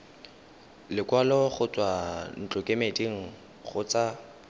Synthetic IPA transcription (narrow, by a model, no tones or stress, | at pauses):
lɪkwalɔχʊt͡sʼwan̩t͡ɬʼɔkʼemediŋ̩ | χʊt͡sa